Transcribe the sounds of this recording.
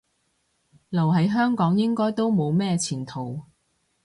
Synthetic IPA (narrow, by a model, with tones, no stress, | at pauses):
lɐ˨˩wɦɐ˨˥jɦœː˥ŋkɔː˨˥ŋjɪ˥ŋkɔː˥jt̪o˥wmo˨˧wmɛː˥t͡sʰiː˨˩nt̪ʰo˨˩w